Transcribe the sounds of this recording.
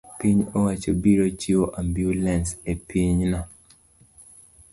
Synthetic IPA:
piɲɔwat͡ʃɔbiɾot͡ʃiwoʔambjulɛnsepʰiɲna

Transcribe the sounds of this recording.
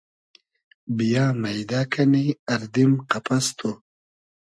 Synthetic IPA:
bijaːmɐjd̪aːkʰɐniɐɾd̪imqɐpɐst̪ʰu

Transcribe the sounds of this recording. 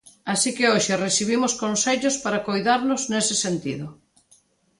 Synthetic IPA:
asikɪoʃeresiβ̞imʊskonseʎospaɾakojðaɾnʊznesɪsent̪ḭðʊ

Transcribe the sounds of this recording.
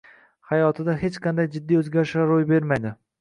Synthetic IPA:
hajɒt̪ʰɪd̪aɦet͡ʃqʰɑnd̪ajd͡ʒɪd̪ːijɵzɡʲaɾɪʃaɾojbe̞ɾmajd̪ɪ

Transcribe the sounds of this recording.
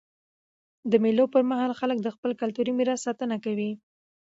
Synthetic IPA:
d̪əmelopəɾmaɦɑlxalək̚d̪əxpəlkalt̪uɾimɪɾɑssɑt̪ənakawi

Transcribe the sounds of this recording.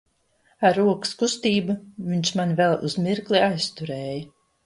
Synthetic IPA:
aɾuɔkskust̪iːbuviɲt͡ʃmanvɛlˠṵzmiɾkliajst̪uɾɛːjə

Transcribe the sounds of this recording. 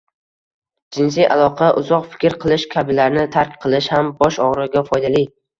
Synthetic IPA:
d͡ʒɪnsijʔa̰lˠɒqʰɑʔʊzɒqfɪ̥kʲɾqʰɨlˠɪʃkʲʰabɪlaɾnɪt̪ʰaɾkʲqʰɨlˠɪʃhambɒʃɒʁɾɪɡʲafɒjd̪alij

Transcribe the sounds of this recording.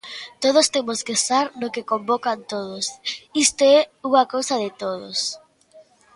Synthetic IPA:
t̪oð̞ost̪emoskesaɾnokekombokant̪oð̞osist̪oɛuŋakowsɐðɪt̪oðo̰s

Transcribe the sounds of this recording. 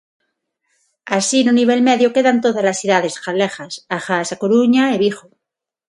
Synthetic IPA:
asinuniβ̞e̞lme̞ðjoke̞ðant̪o̞ðazlasiðað̞e̞sxalexasaxasakoɾuɲaeβ̞ixo

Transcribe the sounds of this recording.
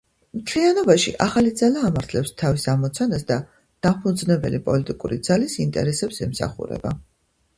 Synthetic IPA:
mt̪ʰlianɔbaʃiʔaχalid̪zalaːmaɾt̪ʰlɛpst̪ʰavisamɔt̪sʰanasd̪a | d̪̥apʰud̪znɛbɛlipʼɔlit̪ʼikʼuɾid̪zalisint̪ʼɛ̰ɾɛsɛpsɛmsa̰χṵɾɛ̰ba

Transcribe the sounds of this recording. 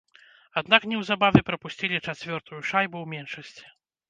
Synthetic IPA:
ad̪naknʲɛwzabavʲɛpɾɐpusʲt͡sʲilʲit͡ʂat͡sʲvʲɔrt̪ujuʂajbuwmʲɛnʂɐsʲt͡sʲi̥

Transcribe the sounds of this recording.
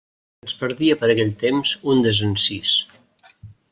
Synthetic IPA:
əspəɾðiəpəɾəkɛʎt̪emzund̪əzənsis

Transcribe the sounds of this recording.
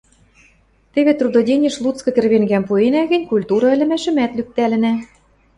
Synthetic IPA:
t̪ĕβet̪rud̪odʲenʲĕʃlˠut͡skɤ̆k̪ĕrβeŋɡæmpuenæɣɘ̆nʲkulʲt̪uɾɑɘ̆lʲɘ̆mæʃɘ̆mæt̪lyk̚t̪ælɘ̆næ

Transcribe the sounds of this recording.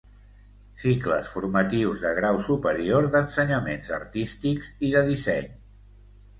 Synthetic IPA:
sikləsfuɾmət̪iwzðəɣɾawsupəɾioɾðənsəɲəmenzə̰ɾt̪ist̪ikz̥iðəðisɛɲ

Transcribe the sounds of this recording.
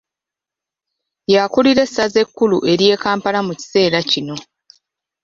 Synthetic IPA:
jakuliɾe̞sːaze̞kːuluʔe̞ɾje̞ːkaːmpalamuci̥se̞ːɾacino̞

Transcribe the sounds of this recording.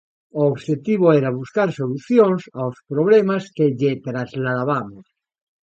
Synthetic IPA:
oːβʃet̪iβ̞oeɾaβuskaɾsoluθjoŋsaospɾoβ̞lemaskeʎet̪ɾazlaðaβamos

